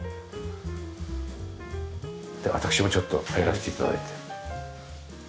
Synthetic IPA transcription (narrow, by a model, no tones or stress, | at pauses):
d̪̥eβa̰t̪akɯ̟̥ɕimo̞t͡ɕo̞t̪ːo̞haeɾaɕet̪e̞it̪a̰d̪a̰it̪ʰe